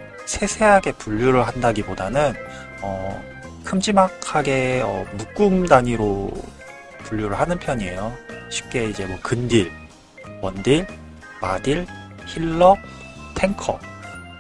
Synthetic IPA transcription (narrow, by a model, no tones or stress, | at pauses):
sʰe̞sʰe̞ɦaɡe̞puʎːuɾɯɭɦandaɡibodanɯn | ʌ | kʰɯmd͡ʑimakʰaɡe̞ʌ̰muk͈umdaɲiɾo | puɭʎːuɾɯɭɦanɯnpʰjʌɲie̞joɕʰi̥p̚k͈e̞id͡ʑe̞mwʌkɯndiɭ | wʌndiɭ | madiɭ | çiɭːʌ | tʰe̞ŋkʰʌ̰